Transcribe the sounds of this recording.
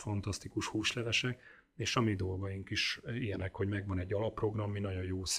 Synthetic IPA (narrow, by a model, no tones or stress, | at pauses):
fɒnt̪ɒst̪ikuʃhuːʃlɛlɛʃɛk | eːʃɒmid̪o̞lɡɒjiŋkiʃijɛnɛkho̞ɟmɛɡʋɒnɛɟːɒlɒpːro̞ɡrɒmːinɒɟo̞joːs